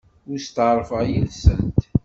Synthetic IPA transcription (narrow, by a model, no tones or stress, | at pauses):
ʊɾist̪ʕɾˤfəʁjilsənt̪